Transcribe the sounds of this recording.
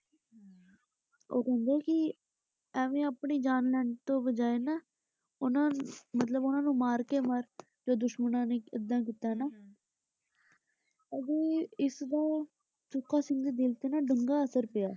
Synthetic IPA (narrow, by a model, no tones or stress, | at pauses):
o̰ːkɛ̃ːnd̪ekɪ | əːʋẽːəpɳiːd͡ʒaːnlɛːɳt̪õːbəd͡ʒaːeːnaː | ʊnãːmət̪̬ləbʊnãːnũːmaːɾkeːməɾ | d͡ʒoːd̪ʊʃmənãːneːɪd̪ːãːk̬it̪aːnaː | ədeːɪsd̪aː | t͡ʃʊkːaːsɪ̃ŋɡd̪iːd̪ɪlt̪eːnaːɖəŋɡaːəsəɾpɪjaː